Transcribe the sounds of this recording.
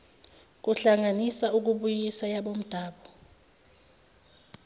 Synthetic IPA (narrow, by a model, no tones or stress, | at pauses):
k̬uɬaŋanisauk̬uɓujisajaɓom̩d̥ʱaːɓɔ